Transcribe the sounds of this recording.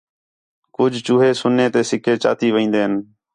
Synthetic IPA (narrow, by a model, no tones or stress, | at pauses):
kʊd͡ʒʱt͡ʃuːɦeːsʊneːt̪eːsɪkʰeːt͡ʃa̰ːt̪iːʋĩːnd̪eːɦən